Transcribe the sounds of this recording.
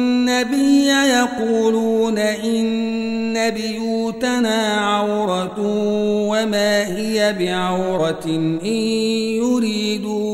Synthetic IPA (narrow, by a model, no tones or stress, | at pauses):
nːabɪjːajɑquːluːnaʔɪnː | abɪjuːt̪anaːʕawɾˤɑt | wamaːhɪjabɪʕawɾɑʔɪjjʊɾiːd̪u